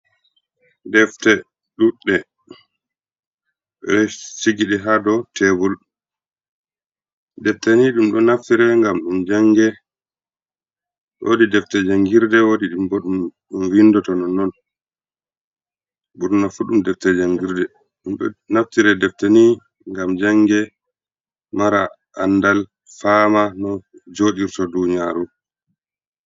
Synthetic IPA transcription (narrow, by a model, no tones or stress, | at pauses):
dɛftɛ | ɗuɗːɛ | ɓɛsiɡiɗɛɦadɔtʰɛbɔlɗu | dɛftaniɗumɗɔnaftiɾɛŋɡamɗumd͡ʒaŋɡɛ | wo̰didɛftɛd͡ʒaŋɡiɾdɛwodiɗumbɔɗumɗumwindɔtɔnɔnɔn | ɓuɾnafuɗumdɛftɛd͡ʒaŋɡiɾdɛ | ɗumɗɔnaftiɾɛdɛftani | ŋɡamd͡ʒaŋɡɛ | maɾa̰ | andal | famanɔd͡ʒoːɗiɾtɔduɲiaɾu